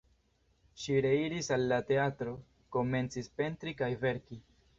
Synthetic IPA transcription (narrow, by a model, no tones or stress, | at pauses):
ʃiɾe̞iɾisalːate̞atɾo̞ | ko̞me̞nt͡sispe̞ntɾikajve̞ɾki